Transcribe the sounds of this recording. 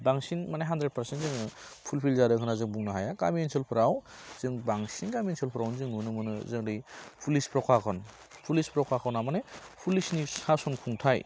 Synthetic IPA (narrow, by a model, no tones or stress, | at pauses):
baŋsinmanajɦandɾed̚paɾsentzɯŋɯ | pʰulpʰilzaɾɯkʰɯnazɯŋbuŋnɯɦajaka̰miensɯlpʰɯɾawz̥ɯŋbaŋsinɡamienselpʰɯɾawnzɯŋnunɯmɯnɯzɯŋɾɯjpʰulispɾɔkʰakʰɔn | pʰulispɾɔkʰakʰɔwnamanepʰulisnisasɔnkʰuŋtʰaj